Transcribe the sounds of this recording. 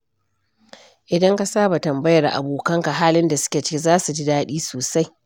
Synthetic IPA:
ʔɪ˨dɐ˦ŋka˨saː˦ba˨tɐ˨mbɐ˦jɐ˨rʔa̰˨boː˨kɐ˦ŋka˨ɦaː˦lɪ˦nda˨sʊ̥˦kʲe˨t͡ʃɪ̥˦kʲi˦zaː˦su˨d͡ʒi˦daː˦ɗiː˦soː˨sa˦j

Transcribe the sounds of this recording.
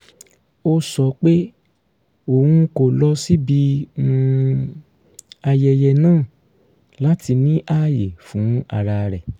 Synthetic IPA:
o˧sɔ˧˦k͡pe˦ | o˨hũ˧ko˨lɔ˧si˦bi˧ũ˧ | a˧jɛ˨jɛ˧˨nãː˦˨ | la˦ti˧nĩ˦ʔa˦˨je˨fũ˨˦a˧ɾa˧ɾɛ˨

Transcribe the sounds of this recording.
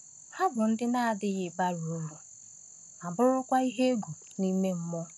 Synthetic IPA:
ha˦bʊ˨n̩˦dɪ˦na˦a˨dɪ˦ɣɪ˨ba˦ɾu˨o˦lu˨ | a˨bʊ˦ɾʊ˦kʷa˦i˦ɦe˦e˦ɡu˨ | ni˦me˦m̩˦mʊ˦

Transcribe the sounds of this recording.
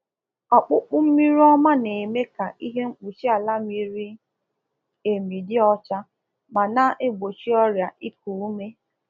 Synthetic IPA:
ɔ˨k͡pʊ˦k͡pʊ˦m̩˦mi˦ɾi˦ɔ˦ma˦ne˨me˦ka˨ʔi˦ɦe˦ŋ͡m̩˦k͡pu˨t͡ʃi˦a˨la˦mi˦ɾi˦ | e˨mi˨dɪ˦ɔ˦t͡ʃa˦ | ma˨na˦ʔe˦ɡ͡bo˨t͡ʃi˦ɔ˦ɾja˨ʔi˦p̚u˨u˦me˦

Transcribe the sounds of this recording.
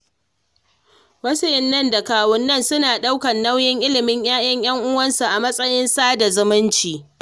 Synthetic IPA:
wɐ˦sɪ˦jɪ˨˦nːɐ˦˨nda˨kaː˨wʊ˦nːɐ˦nsʊ˦naː˨ɗa˦wkɐ˨nːɐ˦wjɪ˦ŋʔɪ˦lɪ˨mɪ˦ɲj̰aː˦j̰ɐ˦ɲj̰ɐ˦ŋʔʊ˦wɐ˦nsu˨ʔa˨mɐ˦sʼɐ˦jɪ˦nsaː˦da˨zʊ˦mɪ˦nt͡ʃiː˨

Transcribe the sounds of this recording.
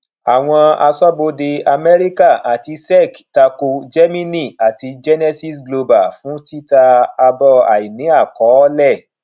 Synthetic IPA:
a˨w̃ɔ̃˧a˧sɔ˦bo˧de˧a˧mɛ˦ɾi˦ka˦˨ʔa˨ti˧sɛ˦˨kta˧ko˧d͡ʒɛ˦mĩ˦nĩ˦˨a˨ti˧d͡ʒɛ˦nɛ˦si˦sɡlo˧ba˨fũ˨˦ti˦ta˧a˧bɔ˧a̰˨i˨nĩ˨˦a˦˨kɔ˨˦lɛ˦˨

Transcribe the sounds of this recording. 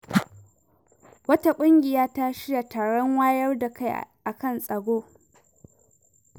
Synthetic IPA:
wɐ˦ta˨kʷʼʊ˦ŋɡʲɪ˨jaː˦ta˦ʃɪ˦ja˨taː˨ɽɔ˦ŋwaː˦jɐ˦rda˨ka˦˨j̰ʔa˨kɐ˦˨nsʼɐ˨ɡʷoː˦

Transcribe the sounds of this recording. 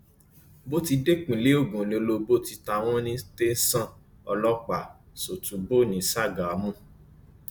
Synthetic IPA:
bo˦ti˧de˦k͡pĩ˨le˨˦o˦˨ɡũ˨le˧lo˧bo˦ti˧ta˧w̃ɔ̃˦nĩ˦te˦n̩˦sã˦ | ɔ˧lɔ˦k͡pa˨ | so˨tu˨˦bo˦˨nĩ˨sa˦˨ɡa˨˦mũ˦˨

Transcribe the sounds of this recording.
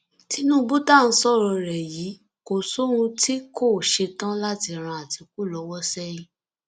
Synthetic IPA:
ti˧˦nũː˦bu˦ta˦˨n̩˧˦sɔ˦˨ɾɔ˧ɾɛ˨ji˨˦ | ko˨so˦ɾũ˧ti˦ko˦˨ʃe˧tã˦la˦ti˧ɾ̃ã˧˨a˨ti˨˧k̚u˦˨lɔ˨˦wɔ˦sɛ˦ji˦

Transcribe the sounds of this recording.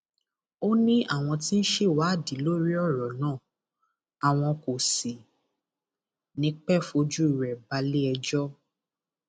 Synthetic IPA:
o˦nĩ˦a˦˨w̃ɔ̃˧ti˦n̩˦ʃe˦˨wa˨˦˨di˨˦lo˦ɾi˦ɔ˦˨ɾɔ˨nãː˦˨ | a˨w̃ɔ̃˧ko˨si˨ | nĩ˨˧˦k͡pɛ˦˨fo˧˦d͡ʒu˦i˦˨ɾɛ˨ba˧˦le˦ɛ˧d͡ʒɔ˦

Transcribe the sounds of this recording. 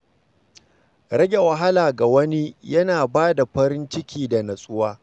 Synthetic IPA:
ɾɐ˦ɡʲe˨wɐ˨ɦa˦laː˨ɡa˨wɐ˦ni˦jɐ˦naː˨baː˦da˨ɸɐ˦ɾɪ˦nt͡ʃɪ˦kʲiː˦˨da˨nɐ˨sʼʊ˦waː˦

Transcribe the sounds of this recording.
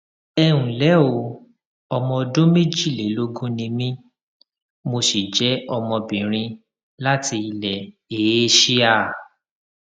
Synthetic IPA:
ɛ˧wũ˨lɛ˨˦o˨˦˨ | ɔ˧mɔ̃˧dõ˦me˦d͡ʒi˦˨le˨˦lo˦ɡũ˦nĩ˧mĩ˦ | mo˧ʃi˨d͡ʒɛ˨˦ɔ˧mɔ̃˧bĩ˨ɾ̃ĩ˧ | la˦ti˧i˧lɛ˨ | e˨˦ʃi˦a˦˨

